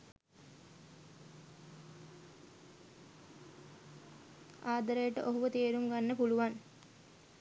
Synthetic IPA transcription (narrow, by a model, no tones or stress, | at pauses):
aːd̪əɾəjəʈəʔoɦuʋət̪eːɾumɡanːəpuluʋan